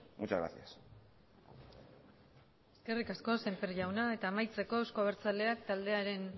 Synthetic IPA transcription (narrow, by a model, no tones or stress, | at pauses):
mut͡ʃazɣɾa̰sias | e̞ske̞rikasko̞se̞mpeɾʝawnae̞t̪aːmajt͡se̞ko̞ewsko̞aβ̞eɾt͡sale̞akt̪ald̪e̞aɾe̞n